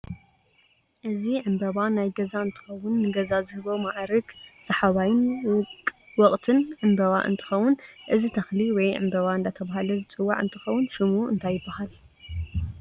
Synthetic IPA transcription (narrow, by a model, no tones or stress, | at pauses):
ʔɨziʕɨmbɐβanajɡɐzaɨnt̪ʰɨ̥xɐwʊnːɨɡɐzazɨhɨβo̞maʕɾɨɡsɐħaβajn | wɔkʼt̪ʰɨnʕɨmbɐβa̰ʔɨ̰nt̪ʰɨ̥xɐwːʊnʔɨzit̪ʰɐxliwɔjʕɨ̰mbɐβaɨnd̪at̪ʰɐβahalɐzɨt͡sʼɨwːaʕɨ̰nt̪ʰɨxɐwːʊnʃɨmuɨ̰nt̪ʰajːɪbːahal